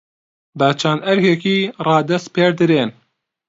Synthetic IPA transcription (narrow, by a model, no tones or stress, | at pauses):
bæt͡ʃʰand̪ɛɾhɛkiːrɑːd̪ɐst̪̚peːɾd̪ɨɾeːn